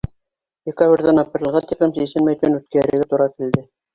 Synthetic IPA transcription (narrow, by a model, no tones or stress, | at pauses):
d̪ʲɪkaβrʲðænɑpɾʲɤ̆lˠʁɑt̪iklɘmsisɘmæjt̪mænʉt̪̚kæɾɘ̆ɡæt̪uɾɑkild̪ɘ